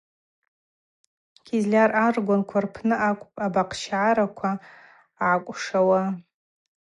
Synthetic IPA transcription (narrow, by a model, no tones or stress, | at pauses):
ɡ̥ʲʰizlʲararɡʷankʷʰarpʰnɨakʷʼabaqʰʃʕaɾakʷʰa | ʕakʷʼʂawa